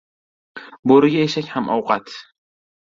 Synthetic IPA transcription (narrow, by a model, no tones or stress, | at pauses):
boɾɪɡʲaeʃakʲhamʔɒ̰wqʰat̪